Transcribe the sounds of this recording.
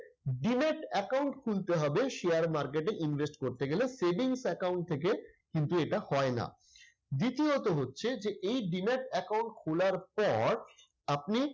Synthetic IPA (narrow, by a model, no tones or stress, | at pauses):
ɖineʈɛkawɳʈkʰult̪eɦɔbeʃeaɾmaɾkeʈeʔinbesʈkoɾt̪eɡeleseɖiŋsɛkawɳʈ̚t̪ʰek̬ekint̪ueʈahɔena̰ | d̪it̪iot̪oɦotːɕʰed͡ʑeʔejɖineʈɛkawɳʈkʰulaɾpɔɾ | apni